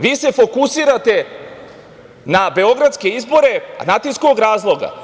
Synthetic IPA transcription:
ʋiːse̞fo̞kusiːɾat̪e̞ | nabe̞o̞ɡɾat̪ske̞izbo̞ɾe̞nat̪isko̞ɡɾaːzlˠo̞ɡa̰

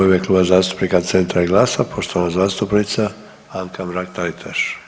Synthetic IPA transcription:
imeklˠuːbazaːst̪u̥pnikat̪se̞nt̪ɾaiɡlˠaːsapʰo̞ʃt̪o̞ʋanazaːst̪upnit̪sa | aŋkʰamɾak̚t̪alit̪ʰaʃ

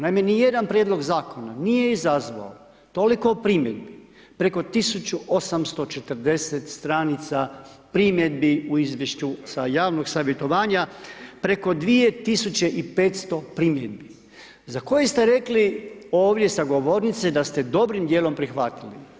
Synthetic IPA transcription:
najmenije̞d̪anpɾjed̪lˠo̞ɡzaːko̞nanije̞izazʋa̰o | t̪o̞liko̞pɾimjed̪bi | pɾe̞ko̞t̪isut͡ɕuo̞samst̪o̞t͡ʃe̞t̪ərd̪e̞set̪st̪ɾaːnit̪sapɾimjed̪biuizʋjeʃt͡ɕusajaːʋno̞ɡsaʋje̞t̪o̞ʋaːɲapɾe̞ko̞d̪ʋije̞t̪isut͡ɕe̞ʔipe̞ːt̪st̪o̞pɾimjed̪bi | zako̞jest̪e̞ɾe̞klioːʋd̪je̞saɡo̞ʋo̞ɾnit̪sed̪ast̪e̞d̪o̞bɾimd̪jeːlˠo̞mpɾixʋat̪ilḭ

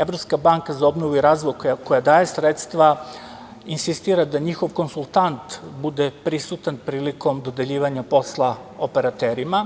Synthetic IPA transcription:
evɾo̞pskabaŋkazao̞bnoʋuiɾaːzʋojkkojad̪aːje̞sɾet̪st̪ʋa | insist̪iːɾad̪aɲixo̞ʋko̞nsulˠt̪ant̪bud̪epɾisut̪anpɾiːliko̞md̪o̞d̪e̞ʎiːʋaɲapo̞slˠa | ope̞ɾat̪eɾima

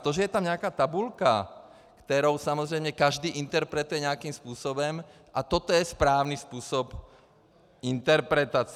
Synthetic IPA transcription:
t̪ɔʒɛjɛt̪amɲɛakaːt̪abulka | kt̪ɛɾɔʊsamɔzɾɛjmɲɛkaʒd̪iːʔint̪ɛɾpɾɛt̪ujɛɲɛakiːmspuːsɔbɔm | ʔat̪ɔt̪ɔjɛspɾaːʊnispuːsɔp | int̪ɛɾpɾɛt̪at͡s

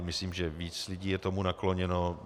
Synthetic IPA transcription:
mɪsliːmʒɛviːt͡slɪɟiːjɛt̪omunakloɲɛno

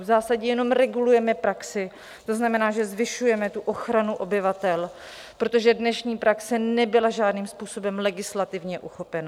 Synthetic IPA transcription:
vzaːsaɟɛjɛno̞mɾɛɡulujɛmɛpɾaksɪ | t̪o̞znamɛnaːʒɛzvɪʃujɛmɛt̪uʔo̞xɾanuʔo̞bɪvat̪ɛl | pɾo̞t̪o̞ʒɛdnɛʃɲiːpɾaksɛnɛbɪlaʒaːdniːmspuːso̞bɛmlɛɡɪslat̪ɪvɲɛʔuxo̞pɛna

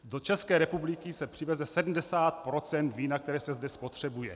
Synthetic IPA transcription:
do̞t͡ʃɛskɛːɾɛpublɪkɪsɛpr̥ɪvɛzɛsɛdm̩dɛsaːt̪̚pɾot͡sɛnt̪viːnakt̪ɛɾɛːsɛzdɛspot̪r̝̥ɛbujɛ̰

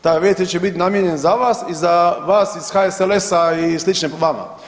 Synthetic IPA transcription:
t̪aʋjet̪et͡ɕebit̪inamjeɲenzaʋaːsizaʋaːsisxaeselesaislˠit͡ʃnepoʋama̰

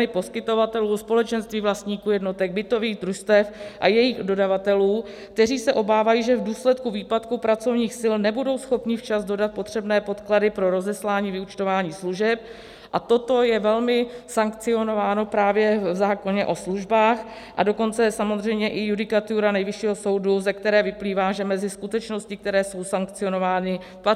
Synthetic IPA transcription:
nɪpo̞skɪt̪o̞vat̪ɛluːspo̞lɛt͡ʃɛnst̪viːvlast̪ɲiːkuːjɛdno̞t̪ɛɡ̚bɪt̪o̞viːɣd̪ɾust̪ɛfʔajɛjiːxdo̞davat̪ɛluː | kt̪ɛr̝iːsɛʔo̞baːvajiːʒɛvduːslɛt̪kuviːpat̪kupɾat͡so̞vɲiːxsɪlnɛbudo̞wsxo̞pɲɪft͡ʃazdo̞dat̪̚po̞t̪r̝̥ɛbnɛːpo̞t̪kladɪpɾo̞ɾo̞zɛslaːɲiːvɪut͡ʃt̪ovaːɲiːsluʒɛp̚ | ʔat̪o̞t̪o̞jɛvɛlmɪsaŋkt͡sɪo̞no̞vaːno̞pɾaːvjɛvzaːko̞ɲɛʔo̞sluʒbaːx | ʔado̞ko̞nt͡sɛsamozr̝ɛjmɲɛʔɪjudɪkat̪uɾanɛjvɪʃiːɦoso̞wduzɛkt̪ɛɾɛːvɪpliːvaːʒɛmɛzɪskut̪ɛt͡ʃno̞scɪk̚t̪ɛɾɛːso̞wsaŋkt͡sɪo̞no̞vaːnɪ | pa

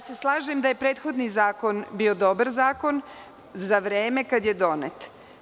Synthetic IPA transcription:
ase̞slˠaːʒemd̪aje̞pɾeːt̪xo̞d̪nizaːko̞nbio̞d̪o̞baɾzaːko̞n | zaʋɾeːme̞kad̪jed̪o̞net̪

